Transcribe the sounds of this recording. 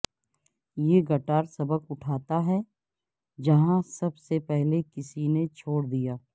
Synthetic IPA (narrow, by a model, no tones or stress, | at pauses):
jeːɡɐʈaːɾsɐbəkʊʈʰaːt̪aɦɛ | d͡ʒɐɦãsɐbsepɛɦlekɪsinet͡ʃʰoːɽd̪ijaː